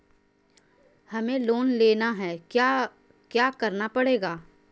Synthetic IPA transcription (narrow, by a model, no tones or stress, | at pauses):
hɐmẽloːnleːnaɦɛː | kjaːkɐɾnapɐɽeːɡaː